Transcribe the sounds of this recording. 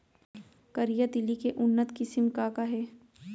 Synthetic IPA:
kɐɾijad̪ɪlikeʔʊnːət̪kisɪmkakaɦɛː

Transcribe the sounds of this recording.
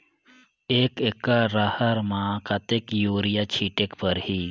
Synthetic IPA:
eːkekːaɾahəɾmãkat̪ekjoːɾijat͡ʃʰiʈekpəɾhiː

